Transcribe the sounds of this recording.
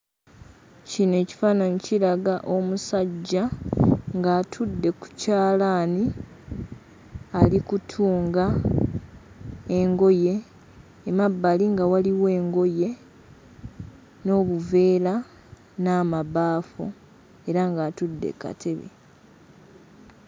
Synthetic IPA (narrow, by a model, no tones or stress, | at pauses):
cine̞ːci̥faːnanicilaɡaʔo̞musaɟːaŋɡaːtʰudːe̞ku̥caːlaːni | alikutʰuːŋɡa | eŋɡo̞je̞ː | mabːaliŋɡawaliwe̞ːŋɡo̞je̞ | no̞ːβuve̞ːla | naːmaβaːfu | e̞ɾaŋɡaːtudːe̞̰ka̰tʰe̞βḛ